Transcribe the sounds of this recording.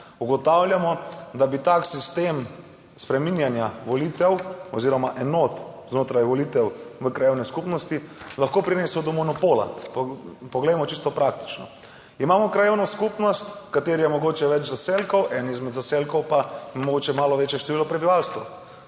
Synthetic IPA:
uɡɔt̪awljamɔd̪abit̪aːksist̪em | spɾɛminjanjaʋɔlit̪ɛwɔziːɾɔmaʔɛnoːt̪znoːt̪ɾajʋɔlit̪ɛwʋəkɾajewnɛskupnɔst̪ilaxkopɾineːsəwd̪ɔmɔnɔpoːla̰ppɔɡlɛjmɔt͡ʃist̪ɔpɾak̚t̪i̥t͡ʃnɔ | imaːmɔkɾajewnɔskupnɔst̪kat̪eːɾijɛmɔɡoːt͡ʃɛʋɛt͡ʃzaselkɔwʔɛnizmɛd̪zaselkɔwpamɔɡoːt͡ʃɛmaːlɔʋeːt͡ʃjɛʃt̪ɛʋilɔpɾɛbiʋalst̪ʋɐw

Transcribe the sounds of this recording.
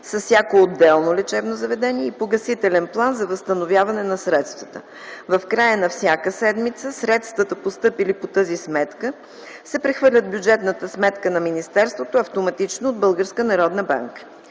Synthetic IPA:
sɐsːʲjakood̪ːɛlˠnolɛt͡ʃɛbnozɐvɛd̪ɛniɛipoɡɐsit̪ɛlɛnplˠanzɐvəst̪ɐnovʲjavɐnɛnɐsɾɛt̪st̪vət̪ə | vɐfkɾajənɐfsʲjakəsɛd̪mit̪səsɾɛt̪st̪vət̪əpost̪ɤpilipot̪əzismɛt̪kə | sɛpɾɛxvɤɾlʲəd̪̚bjud͡ʒɛt̪nət̪əsmɛt̪kənɐminist̪ɛɾst̪vot̪oɐft̪omɐt̪it͡ʃnoːd̪̚bɤlˠɡəɾskənɐɾɔd̪nəba̰ŋkə̥

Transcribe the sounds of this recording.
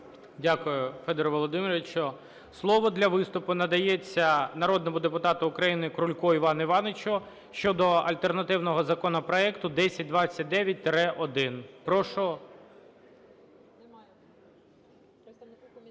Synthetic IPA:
dʲakʊjʊfɛd̪ɛɾɔʋɔlˠɔd̪ɪmʲɪɾʲʋɪt͡ʃɔ | slˠɔʋɔd̪lʲɐʋɪst̪ʊpʊnɐd̪ɐjet͡sʲːɐnɐɾɔd̪nɔmʊd̪epʊt̪ɑt̪ʊʊkɾɐjinɪkɾʊlʲkɔiʋɑnɪʋɑnet͡ʃʊ | ʃt͡ʃɔd̪ɔɐ̰lʲt̪ernɐt̪ɪwnɔɦɔzɐkɔnɔpɾɔɛkt̪ʊd̪ɛsʲɐt̚ʲd̪ʋɑt͡sʲːɐt̚ʲd̪ɛʋʲjɐt̚ʲt̪ɾɛʔɔd̪ɪnpɾɔʃɔ

